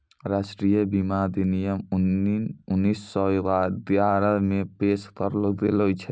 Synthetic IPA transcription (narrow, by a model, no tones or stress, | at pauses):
ɾasʈɾijəbimad̪inijɔm | unːisːɔjad̪iaɾamepeskɔɾlɔd̪elojt͡ʃʰɛ